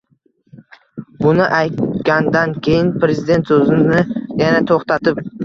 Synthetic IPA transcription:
bʊnɪʔajt̪ɡʲand̪ankʲʰe̞jɪnpɾe̞zɪd̪e̞nt̪sɵzɪnɪjanat̪ʰoχt̪at̪ɪp

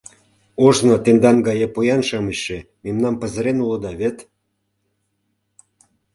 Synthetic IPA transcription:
oʒnot̪end̪ɑnɡɑjepujɑnʃɑməɕʃe | memnɑmpə̆zə̆ɾenulə̆d̪ɑβet̪

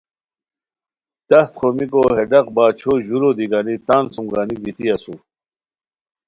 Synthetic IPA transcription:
t̪ɐxt̪χomikoɦeɖɐq̚baːt͡ɕʰoʑuɾod̪iɡanit̪aːnsumɡaːniɡ̪it̪iɐsu

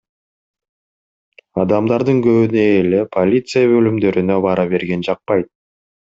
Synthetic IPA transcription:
ɑd̪ɑmd̪ɑɾd̪ɯŋɡøβyneːle̞pʰolʲit̪sɨjaβø̞lymd̪ø̞ɾynøβɑɾɑβe̞ɾɡe̞nd͡ʒɑq̚pɑjt̪̚

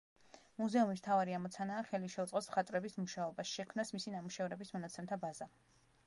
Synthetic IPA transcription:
muzɛumist̪ʰavaɾiamɔt̪sʰanaːχɛliʃɛut̪sʼɔsmχat̪ʼɾɛbismuʃaɔbasʃɛkʰmnasmisinamuʃɛvɾɛbismɔnat̪sʰɛmt̪ʰabaza

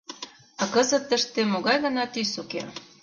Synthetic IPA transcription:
ɑkəzə̆t̪ːəʃt̪emoɣɑjɣə̆nɑt̪ysokḛ

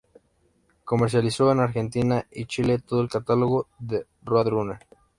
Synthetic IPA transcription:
ko̞meɾs̬jalisoenaɾxe̞nt̪inait͡ʃilet̪oðoelkat̪aloɣoðe | rwaðɾuneɾ

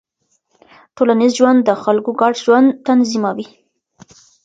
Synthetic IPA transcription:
ʈolanizʒwand̪ːəxalkoɡɑɖʒwand̪t̪anzimawi

